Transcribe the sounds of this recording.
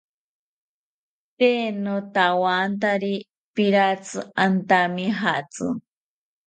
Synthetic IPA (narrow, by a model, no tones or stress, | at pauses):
teːnot̪awaːnt̪aɾi | piɾat͡sɨant̪amiɦat͡sɨ̰